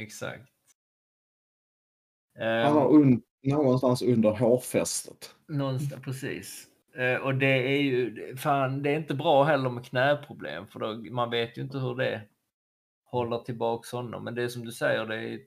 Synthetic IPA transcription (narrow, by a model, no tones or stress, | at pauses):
ɛksa̰k̚t̪ | aaɵn | noːɡɔnst̪ansɵnd̪əɾɦoːɾfɛst̪ət̪ | nɔnspʰɾɛsḭːs | ʔɔd̪ɛæɾjɵɛfaːnd̪ɛːɾɪnt̪əbɾɑːɦɛlːəɾmɛkʰnɛːpʰɾʊblḛːmfœɖɛmanveːt̪jʉɪnt̪əɦɵɖɛ | hɔlːəʈʰɪlbɑːkshɔnːɔ̰mːɛnd̪ɛjsɔmd̪ɵsɛjːəɖɛːj